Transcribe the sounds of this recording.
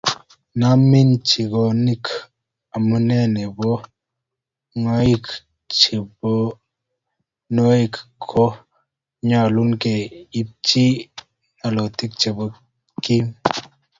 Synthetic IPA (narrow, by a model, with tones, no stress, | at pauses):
na˦mi˦nt͡ʃi˨ɡo˨ni˦k | a˨mu˦ne˦ne˨bɔ˦ | ŋa˦i˦k | t͡ʃi˨bɔ˦ | no˦i˦kkʰːo˦ | ɲa˨lu˦nke˨i˦p̚t͡ʃi˦ | na˨lo˨t̪i˦k̚t͡ʃe˨bə˦ | ki˦